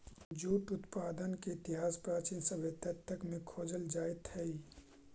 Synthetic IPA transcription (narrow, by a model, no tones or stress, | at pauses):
d͡ʒuːt̪ʊt̪paːd̪ənkeɪt̪ɪɦaːspɾaːt͡ʃiːnsəbʱet̪ət̪ʰːəkmẽkʰoːd͡ʒəld͡ʒaːet̪hɛi